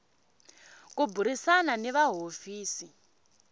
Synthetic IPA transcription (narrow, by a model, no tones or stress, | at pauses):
kubʱuɾisananɛʋaɦofiːsi